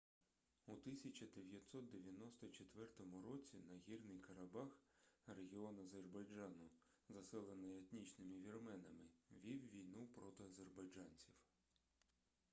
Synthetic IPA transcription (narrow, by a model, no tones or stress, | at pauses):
ut̪ɪsʲɐt͡ʃɐd̪eʋʲjɐt̪sɔt̪̚d̪eʋʲjɐnɔst̪ɔt͡ʃet̪ʋɛrt̪ɔmʊɾɔt͡sʲinɐɦʲirnɪjkɐɾɐbɑxreɦʲiɔnɐzerbɐjd͡ʒɑnʊ | zɐsɛlˠenɪjet̪nʲit͡ʃnɪmɪʋʲirmɛnɐmɪʋʲiwʋʲijnupɾɔt̪ɪɐzerbɐjd͡ʒɑnʲt͡sʲiw